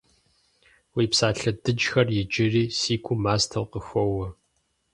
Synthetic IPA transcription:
wiːpsaːɬɐdɨd͡ʒxɐrjɪd͡ʒɪriːsiːkʷʰʼʊmaːstʰɐwqəxʷɔwɐ

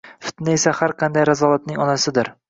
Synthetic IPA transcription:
fɪ̥t̪nɪesahaɾqʰɑnd̪ajɾazɒlat̪̚nɪŋɒnasɪd̪ɪɾ

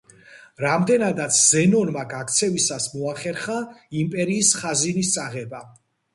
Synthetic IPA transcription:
ɾamd̪ɛnad̪at̪sʰzɛnɔnmaɡakʰt̪sʰɛvisasmɔaχɛɾχaimpʼɛɾiːsχazinist̪sʼaʁɛba

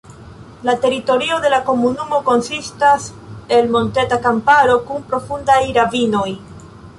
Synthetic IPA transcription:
late̞ɾito̞ɾio̞de̞lako̞munumo̞ko̞nsistase̞lmo̞nte̞takampaɾo̞kunpɾo̞fundajɾavino̞j

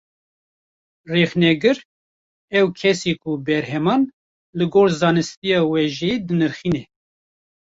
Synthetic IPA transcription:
rɛxnɛɡɨɾ | ɛwkʰɛseːkʰʊbɛɾhɛmɑːn | lɨɡoːɾzɑːnɨst̪ijɑːwɛʒed̪ɨnɨɾxiːnɛ

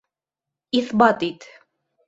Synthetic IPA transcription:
iθbɑt̪it̪

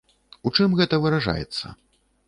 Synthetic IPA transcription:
ut͡ʂɨmɣɛt̪ɐvɨɾaʐa̰jɛ̰t̪sːɐ̰

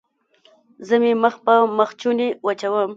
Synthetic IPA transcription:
zəmeməxpəməxt͡ʃunewat͡ʃawəm

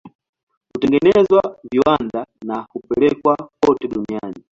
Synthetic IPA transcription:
kutɛŋɡɛnɛzwaviwandanakupɛlɛkwakɔtɛɗuniani

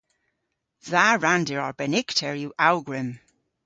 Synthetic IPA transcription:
zaɹandɪɹɔɹbɛnɪktʰɛɹjuʔawɡɹɪm

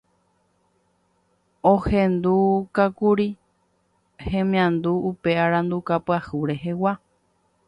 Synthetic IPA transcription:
õhẽnd̪ukakuɾi | hẽ̞mĩãnd̪uːpe̞aɾãnd̪ukapɨahuɾe̞ɦewa

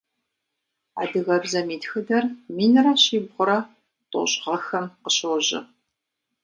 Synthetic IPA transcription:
a̰dɨɣɐbzɐmiːtxɨdɐrmiːnɨrɐɕiːbʁʷʊɾɐ | tʼo̰ɕʼʁɐxɐmqəɕɨwʑɪ̰

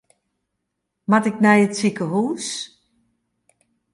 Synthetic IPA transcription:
matɪk̚nɛjətsikəɦuːs

